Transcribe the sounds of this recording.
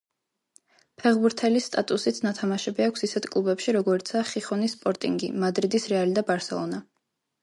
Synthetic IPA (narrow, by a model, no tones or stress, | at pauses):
pʰɛʁbuɾt̪ʰɛlist̪ʼat̪ʼusit̪sʰnat̪ʰamaʃɛbiakʷʰsisɛt̪ʰkʼlˠubɛpʃiɾɔɡɔɾit̪sʰaːχiχɔnisːpʼɔɾt̪ʼḭŋɡḭmad̪ɾid̪isɾɛalid̪abaɾsɛ̰lˠɔ̰na